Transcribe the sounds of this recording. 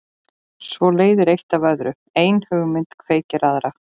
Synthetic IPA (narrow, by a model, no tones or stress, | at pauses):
svɔleːjðɪɾejht̪avœðɾʏ | eːjnhʏɣmɪnt̪kʰveːjcɪɾaðɾa